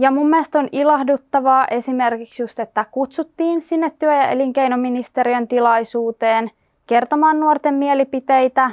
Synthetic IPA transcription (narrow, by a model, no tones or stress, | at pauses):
jɑmumːiest̪o̞nilɑhdut̪ːɑʋɑːʔe̞sime̞rkiksjust̪et̪ːækut̪sut̪ːiːnsinːet̪ːyøjɑḛliŋke̞jnominist̪e̞ɾiønt̪ilɑjsuːt̪eːn | kert̪omɑːnnuort̪emːielipit̪ejt̪æ